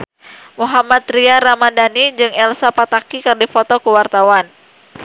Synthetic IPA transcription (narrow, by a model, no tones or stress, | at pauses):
muɦamat̪ɾiaɾamadanid͡ʒɨŋɛlsapat̪akikɨrdifɔt̪ɔkuwart̪awan